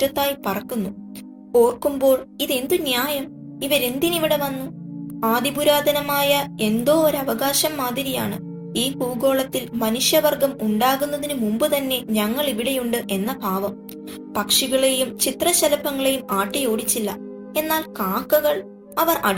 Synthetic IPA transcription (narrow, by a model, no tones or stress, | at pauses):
tːɐt̪ːaːjpɐrɐkːunːu | ko̞ːrkumbo̞ːɭiðe̞nd̪unjaːjɐm | iʋɐɾe̞nd̪iniʋiɽe̞ʋɐnːuaːd̪ibuɾaːd̪ʱɐnɐmaːjɐe̞nd̪o̞ːoɾɐʋɐɣaːɕɐmːaːd̪ʱiɾija̰ːɳɨ̰ | iːhuːɡo̞ːɭɐt̪ːilmɐnuʂjɐʋɐrɡɐmuɳɖaːɣunːɐðinɨmumbɨt̪ɐnːe̞ɲɐŋːɐɭiʋiɽejuɳɖɨʔe̞nːɐbʱaːʋɐm | pɐkʂiɣɐɭe̞jumt͡ɕit̪rɐɕɐlɐpɐŋːɐɭe̞jumaːʈːijo̞ːɽit͡ɕːilːɐ | e̞nːaːlkaːkːɐɣɐɭ | ɐʋɐrʔɐ̰ɽ